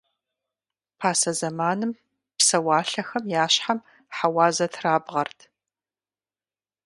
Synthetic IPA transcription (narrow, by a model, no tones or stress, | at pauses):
pʰaːsɐzɐmaːnɨm | psɐwaːɬɐxɐmjaːɕħam | ħawaːzɐtʰraːbʁɐrtʰ